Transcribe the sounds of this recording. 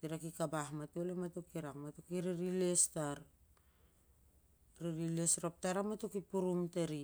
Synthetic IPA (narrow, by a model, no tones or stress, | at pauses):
tiɾakikabaɦmatolematokiɾakmatokiɾiɾilestaɾ | ɾiɾilesɾop̚taɾamatokipuɾumteɾi